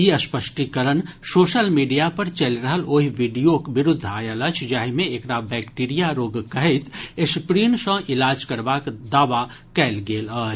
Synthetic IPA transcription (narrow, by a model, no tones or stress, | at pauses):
iɐspəʃʈikəɾənsoːʃəlmiːɖijapɐɾt͡ʃɐlɾəɦəloːɦiʋiːɖijokbɪɾʊd̪ʱːaːjələt͡ʃʰd͡ʒaːɦimẽeːkɽabɛːkʈiːɾijaɾoːɡkɐɦet̪ʰespɾiːnsə̃ʔɪlaːd͡ʒkɐɾbaːkd̪aːʋa | kɛːlɡeːlɔː